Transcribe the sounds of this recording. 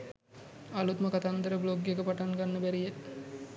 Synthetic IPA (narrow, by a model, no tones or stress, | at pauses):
alut̪məkat̪and̪əɾəbloɡjekəpaʈaŋɡanːəbæɾije